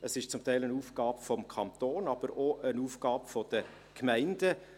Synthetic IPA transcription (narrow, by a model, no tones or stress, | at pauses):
əsɪʃt͡sʊmtæɪlənuːfɡ̥ɑːpfɔmkʰɑnt̪oːnɑb̥əɾoʔənuːfɡ̥ɑːpfɔd̥̪ə | kʰmæɪndə